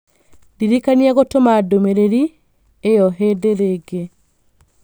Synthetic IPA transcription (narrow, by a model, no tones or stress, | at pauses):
diɾikaniaɣotomaːdomeɾeɾi | ejɔɦedeɾeɡe